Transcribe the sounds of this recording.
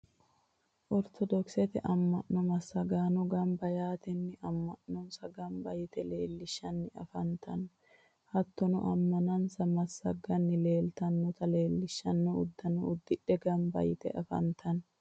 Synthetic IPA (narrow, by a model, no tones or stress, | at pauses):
ʔɔɾt̪ʰɔd̪ɔksɛt̪ɛʔɐmːɐʔːɔmɐsːɐɡaːnɔɡɐmbɐjaːt̪ɛnːɪʔɐmːɐʔɔnsɐɡɐmbɐjɪt̪ɛle̞ːlːɪʃːɐnːɪɐ̰fɐnt̪ʰɐn | hɐt̪ːɔnʊ̰ʔɐmːɐnɐnsɐmɐsːɐɡːɐnːɪle̞ːlt̪ɐnːɔt̪ɐle̞ːlːɪʃːɐnːɔʊd̪ːɐnɔʊd̪ːɪᶑɛɡɐmbɐ̰jɪt̪ɛ̰ʔɐfɐ̰nt̪ʰɐn